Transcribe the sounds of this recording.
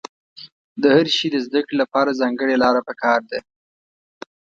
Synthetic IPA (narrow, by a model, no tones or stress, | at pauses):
d̪əhaɾʃid̪əzd̪əkɽelapɑɾazɑŋɡəɽelɑɾapəkɑɾd̪e